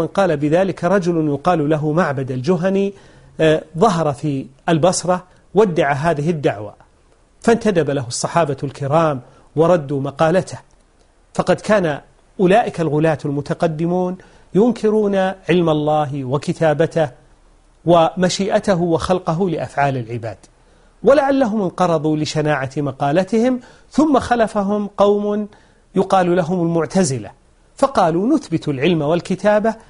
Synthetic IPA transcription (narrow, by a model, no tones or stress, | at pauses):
manqɑːlabɪðaːlɪkaɾˤɑd͡ʒʊlʊnjʊqɑːllaɦʊmaʕbad̪ald͡ʒʊɦani | ðˤɑɦɑɾˤɑfiʔalbɑsɾˤɑ | wad̪ːaʕaɦaːðɪɦɪd̪ːaʕwa̰ | fant̪ad̪abalaɦʊsˤːɑħɑːbalkɪɾɑːm | wɑɾˤɑd̪ːumɑqɑːlat̪ah | fɑqɑd̪kʰaːna | ʔʊlaːʔɪkalɣʊlaːt̪almʊt̪aqɑd̪ːɪmuːn | jʊŋkʰɪɾuːnaʕɪlmalˤːɑːɦwakɪt̪aːbat̪ah | wamaʃiːʔat̪aɦwɪxalqɑɦʊlɪʔafʕaːlalʕɪba̰ːd̪̥ | walaʕalːaɦʊmɪnqɑɾˤɑðˤulɪʃanaːʕat̪mɑqɑːlat̪ɪhɪm | θʊmːaxalafaɦʊmqɑwmn | jʊqɑːlulaɦʊmalmʊʕt̪azɪla̰ | fɑqɑːlunʊθbɪt̪alʕɪlmawalkɪt̪aːba